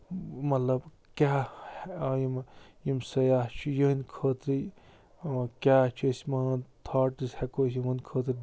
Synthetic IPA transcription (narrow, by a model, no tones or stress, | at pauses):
mɐt̪lɐb | kʲaː | jimjimsɐjaːht͡ʃʰujənkʰəːt̪ɾi | kʲaːt͡ʃʰusmɐnt̪ʰaːʈishekosimunʲkʰəːt̪ɾi